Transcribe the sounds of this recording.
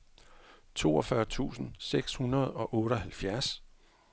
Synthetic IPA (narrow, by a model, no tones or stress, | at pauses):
t͡sʰo̝̰ːɒfɶːɐt͡sʰṵːsn̩seɡ̥shunɐð̞ˠɒ̽ʔɔ̽ːɾɒ̽hælfjæɐs